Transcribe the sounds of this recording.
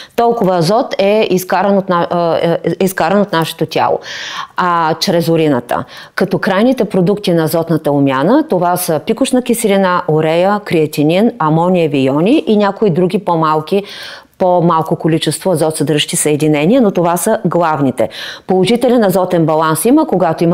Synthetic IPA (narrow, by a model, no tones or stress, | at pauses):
t̪ɔlˠkʊvəɐzɔt̪ɛiskaɾənot̪na | iskaɾənot̪naʃɛ̥t̪ot̪ʲa̰lˠo̰at͡ʃɾɛzʊɾinət̪ə̰ | kɐt̪ɔkɾajnit̪ɛpɾod̪ukt̪inɐzɔt̪nət̪əomʲjanət̪ovasəpikʊʃnəkʲisɾinaʔoɾɛjəkɾiɐt̪ʲinʲinɐmɔnʲiəvijɔnʲiʔinʲakoid̪ɾuɡʲipomalˠkʲi | pomalˠkokolʲit͡ʃɛst̪voɐzɔt̪səd̪ɾʒʃt̪ʲisəɛd̪inɛnʲiənot̪ovasəɡlˠavnit̪ɛ̰polˠoʒit̪ɛlɛnɐzɔt̪ɛnbɐlˠansiməkoɡat̪oim